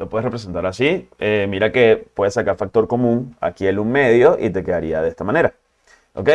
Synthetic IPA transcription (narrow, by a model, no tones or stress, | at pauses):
lopweerepɾese̞nt̪aɾasiemiɾake̞pwe̞ðesakaɾfak̚t̪o̞ɾko̞mũŋa̰kieluŋme̞ðjo̞ʔḭt̪e̞keðaɾiaðe̞st̪amãne̞ɾa | ʔo̰kej